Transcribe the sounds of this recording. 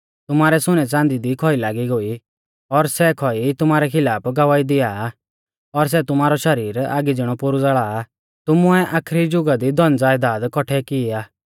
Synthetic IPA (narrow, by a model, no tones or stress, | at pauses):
t̪ʊmaːɾɛsʊñɛt͡sãːnd̪id̪ikʰɔilaːɡiɡoːi | ɔɾsɛkʰɔit̪ʊmaːɾɛkʰɪlaːpɡɐʋaːid̪ɪjaː | ɔɾs̬ɛt̪ʊmaːɾɔʃɐɾiːɾa̰ːɡid͡zɪɽ̃ɔpʊɾud͡zaɭaː | t̪ʊmʊɛʔaːkʰɾid͡ʒʊɡad̪id̪ɔnd͡zaːjd̪aːd̪kɔʈʰɛkɪaː